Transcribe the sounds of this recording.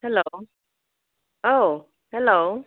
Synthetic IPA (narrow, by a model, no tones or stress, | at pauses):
hɛlo | ʔo | hɛlo